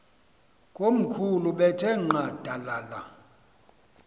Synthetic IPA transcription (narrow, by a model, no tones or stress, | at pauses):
kʼom̩kʰuluɓɛtʰʼɛŋ͡ǃad̥ʱalala